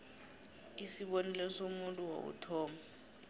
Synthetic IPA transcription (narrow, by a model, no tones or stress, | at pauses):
isiɓonilɛsomuntʼuwo̰k̬ṵtʰɔːma